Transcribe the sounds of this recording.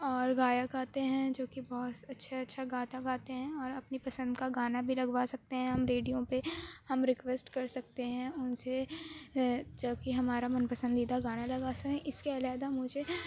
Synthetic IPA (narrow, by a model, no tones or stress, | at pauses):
ɔːɾɡaːjakaːt̪eɦɛ̃d͡ʒoːkibɔɦʊt̪ɐtːʃʰaɐtːʃʰaɡaːt̪aɡaːt̪eɦɛ̃ɔːɾɐpnipɐsə̃nd̪kaɡaːnabʱilɐɡʋasɐk̚t̪eɦɛ̃ɦɐmɾeːɖijõpehɐmɾɪkʋeːsʈkɐɾsɐkt̪eɦɛ̃ʊnse | d͡ʒoːkiɦɐmaːɾamɐnpɐsə̃nd̪id̪aɡaːnalɐɡaːsɐkɛ̃ʔɪskeɐlaːd̪amʊd͡ʒʱe